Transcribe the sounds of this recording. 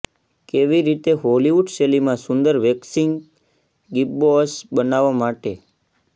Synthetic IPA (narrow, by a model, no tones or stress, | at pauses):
keʋiɾit̪eɦoliʋuɖselimãsʊnd̪əɾʋeksiŋɡ | ɡip̚bosbənaʋːamaʈe